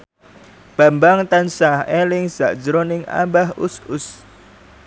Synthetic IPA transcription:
b̥a̤mbaŋt̪ansahelɪŋz̥aʔd̥d͡ʒəɾonɪŋa̰mbahʊ̰sʊs

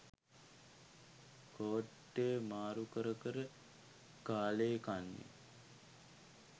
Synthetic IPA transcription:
koːʈːeːmaːɾukəɾəkəɾə | kaːlekanːḛ

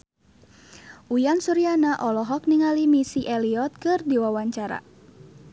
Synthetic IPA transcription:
ʔujansuɾianaʔɔlɔɦɔk̚niŋalimisiʔɛliɔt̪̚kɨrdiwawaɲt͡ʃaɾa̰

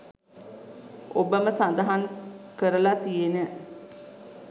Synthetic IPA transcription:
obəməsand̪aɦaŋkəɾəlat̪ijenə

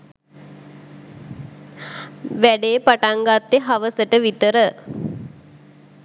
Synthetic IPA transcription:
ʋæɖeːpaʈaŋɡat̪ːeɦaʋəsəʈəʋit̪əɾə

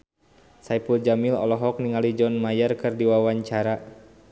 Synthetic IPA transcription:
saipuld͡ʒamilɔ̰lɔɦɔk̚niŋalid͡ʒɔnmajarkɨrdiwawaɲt͡ʃaɾa

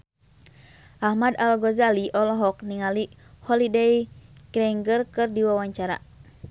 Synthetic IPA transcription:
ʔahmadalɡɔzaliʔɔlɔɦɔk̚niŋalihɔlidɛjkɾɛŋɡərkɨrdiwawaɲt͡ʃaɾa̰

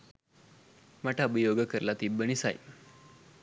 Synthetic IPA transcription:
maʈʰabəjoɡəkəɾlat̪ibəɳ̃isa̰j

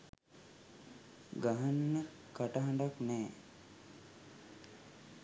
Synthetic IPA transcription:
ɡaɦanːə | kaʈəɦaɳɖaknɛː

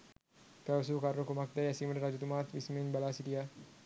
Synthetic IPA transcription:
kaws̬ukaɾokumak̚d̪ajasiməɾɾad͡ʒut̪umat̪wisminbalasid̪ia

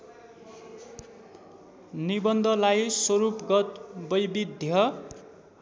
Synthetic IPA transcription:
nibʌnd̪ʱʌlajsʌɾupɡʌt̪̚bʌjbid̪ʱjʌ

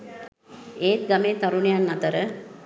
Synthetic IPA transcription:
eːt̪̚ɡameːt̪aɾunijanːɐt̪əɾə

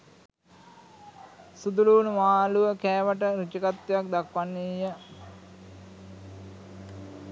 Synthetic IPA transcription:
sud̪uluːnumaːluʋəkæːʋəʈəɾut͡ʃəkat̪ːjak̚d̪akʋanːijə

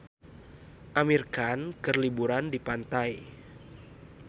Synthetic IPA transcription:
ʔamirkankərlibuɾandipant̪aj

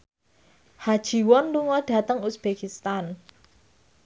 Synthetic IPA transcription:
had̥ʒ̥i̤wɔnluŋɔɖ̥a̤t̪əŋusb̥ekist̪an

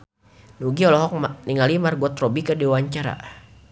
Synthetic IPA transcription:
nuɡiɔlɔɦɔk̚niŋalimarɡɔt̪rɔbikədiwaɲt͡ʃaɾa̰

